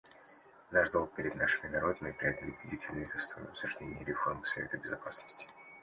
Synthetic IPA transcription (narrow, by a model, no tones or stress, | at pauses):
naʐd̪o̞lˠk̚pʲɪɾʲɪd̪naʂɨmʲɪnɐɾo̞d̪əmʲɪpɾʲɪad̪əlʲɪd̪d̪ʲɪdʲitʲɪlʲnɨjzɐst̪ʰojɐpsʊʐdʲenʲɪjəɾʲɪfo̞rmsɐvʲet̪əbʲɪzɐpasnəsʲtʲɪ̥